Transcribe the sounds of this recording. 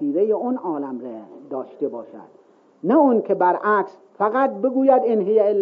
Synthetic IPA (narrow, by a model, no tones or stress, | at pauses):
iːɾejeonɒːlæmɾed̪ɒːʃt̪ebɒːʃæ̰d̪̥ | næunkʰebæɾʔæks | fæɣæt̪̚beɡuːjæd̪enɦejæelː